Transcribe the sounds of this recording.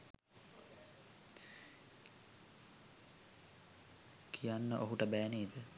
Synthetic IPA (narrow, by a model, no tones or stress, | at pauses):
kʰijanːəʔoɦuʈəbæːneːd̪ə